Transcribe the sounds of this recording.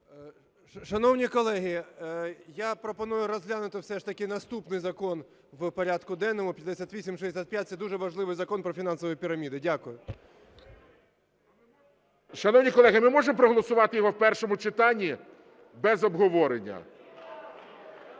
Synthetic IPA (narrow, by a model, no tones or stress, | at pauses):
ʃɐnɔwnʲikɔlˠɛɦɪ | japɾɔpɔnujʊɾɔzʲɦlʲanʊt̪ɪwsɛʂt̪ɐkʲɪnɐst̪upnɪjzɐkɔn | wpɔɾʲad̪kʊd̪ɛnːɔmʊpʲjɐtd̪esʲat̪ʲʋʲisʲimʃd̪esʲat̪̚ʲpjat̪̚ʲsɛd̪uʒɛʋɐʒlˠɪʋɪjzɐkɔnpɾɔfʲin̪ɑnsɔʋʊjipʲiɾɐmʲid̪ɪdʲakʊjʊ | ʃɐnɔwnʲikɔlˠɛɦɪmɪmɔʒempɾɔɦɔlˠɔsʊʋɑt̪ɪjɔɦɔwpɛrʃɔmʊt͡ʃɪt̪ɑnʲːi | bɛzɔbɦɔʋɔɾenʲːɐ̰